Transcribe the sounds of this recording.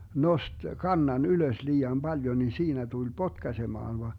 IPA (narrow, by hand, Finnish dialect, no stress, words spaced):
nost kɑnːɑn yløs liːɑm bɑljo ni siːnæ tul potkɑsemɑːn ʋɑ